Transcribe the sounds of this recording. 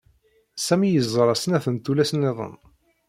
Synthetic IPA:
sæmijəzˤːəɾˤɑsənæθənt̪ulæsənːeðˤə̰n

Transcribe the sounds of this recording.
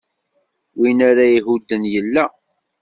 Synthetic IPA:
winæɾaiɦud̪ːənjəlːæ

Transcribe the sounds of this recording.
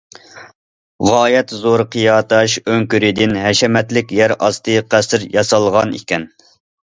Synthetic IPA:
ʁɑːjɛt̪zoɾqʰɨjɑːt̪ʰɑʃøŋkʲyɾɪd̪ɪnɦɛʃɛmɛt̪lɪkʲjæɾɑst̪ɨjqʰæsɪɾjɑsɑlˠʁɑnḭkʲɛn

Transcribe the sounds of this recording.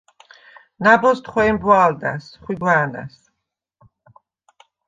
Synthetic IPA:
nabɔst̪ʰχwɛːmbwald̪a̰sχwiɡwaːna̰s

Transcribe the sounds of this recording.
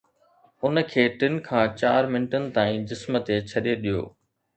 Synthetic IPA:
ʊnə̆kʰeːʈɪnkʰãːt͡ɕaːɾmɪnʈənɪ̆t̪aːĩd͡ʑɪsmət̪et͡ɕʰɐɗeɗijo̰ː

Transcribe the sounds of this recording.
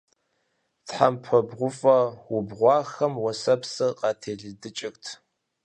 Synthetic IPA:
tħampʰɐbʁʷʊfʼɐwʊbʁʷɑːxɐmwɔsɐpsɨqɑːtʰeːɮɨdɨt͡ʃʼɪxtʰ

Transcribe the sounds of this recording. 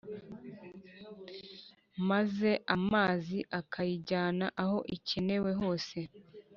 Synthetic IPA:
maze̞ʔamaːziʔakʰajiɟaːnaʔaho̞ʔicene̞we̞ɦo̞ːse̞

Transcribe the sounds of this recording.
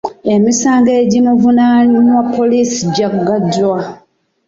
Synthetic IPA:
e̞misaːŋɡeɟimuvunaninwapːo̞lisiɟakuɡadwa

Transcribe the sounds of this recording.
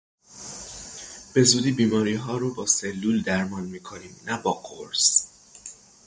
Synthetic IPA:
b̥e̞zuːd̪iːbiːmɒːɾiːɦɒːɾobɒːselːuːld̪æɾmɒːnmiːkʰoniːmnæbɒːɡoɾs

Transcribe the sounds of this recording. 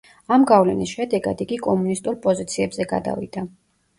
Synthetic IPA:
amɡavlɛnisʃɛd̪ɛɡa̰d̪iɡikʼɔmunist̪ʼuɾpʼɔzit̪sʰiɛbzɛɡa̰d̪a̰vḭd̪̥a

